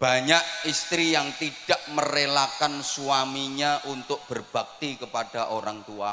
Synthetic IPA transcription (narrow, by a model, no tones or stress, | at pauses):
b̥a̤ɲakist̪ɾijaŋt̪iɖ̥aʔməɾelakansuamiɲaʔunt̪ʊk̚b̥ərb̥a̤k̚t̪ikəpaɖ̥aʔoɾaŋt̪ua